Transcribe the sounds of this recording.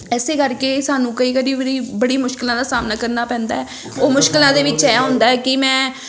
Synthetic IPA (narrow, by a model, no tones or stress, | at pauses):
ɛːseːkəɾkeːsaːnũːkəiːkəɾiːəɾiːbəɽiːmʊʃkɪlãːd̪aːsaːmnaːkəɾnaːpɛ̃ːnd̪a̰ːɛː | oːmʊʃkɪlãːd̪eːʋɪt͡ʃːɛːɦʊ̃nd̪aːɛːkɪmɛ̃ː